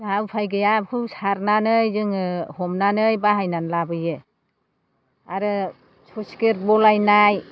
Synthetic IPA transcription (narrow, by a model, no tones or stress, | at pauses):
ɦawpʰajɡɯjabkʰɯwsaɾnanɯjzɯŋɯhɔmnanɯjbaɦajnanlabɯjɯ | aɾɯ | sʰɔskeɾbɔlajnaj